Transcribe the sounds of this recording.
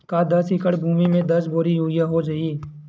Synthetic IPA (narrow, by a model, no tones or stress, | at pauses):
kad̪ɐsɪkəɽbʱuːmimẽd̪ɐsboːɾijuɪjaɦod͡ʒaiː